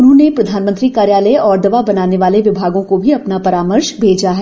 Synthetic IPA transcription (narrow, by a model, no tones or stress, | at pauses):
ʊnɦõːnepɾɐd̪ʱaːnmənt̪ɾikaːɾjaːləeʔɔːɾd̪ɐʋabɐnaːneʋaːleʋɪbʱaːɡõkobʱiɐpnapɐɾaːməɾʃbʱeːd͡ʒaɦɛː